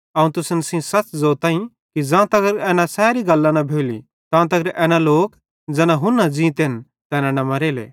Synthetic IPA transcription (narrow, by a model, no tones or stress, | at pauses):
aːũt̪ʊsənsĩsɐt͡sd͡zoːt̪aːĩ | kid͡zãːt̪ɐɡəɾɛːnasɛːɾiɡɐlːanɐbʱeːlḭ | t̪ãːt̪ɐɡəɾʔɛːnaloːk | d͡zɛːnaɦʊnːɐd͡zĩːt̪en | t̪ɛːnanɐmɐɾeːlḛ